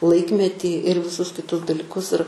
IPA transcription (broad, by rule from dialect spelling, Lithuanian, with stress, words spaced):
ˈlˠɐɪkmʲɛtʲiː ɪr ʋʲɪˈsʊs kʲɪˈtʊs dɐlʲɪˈkʊs ɪr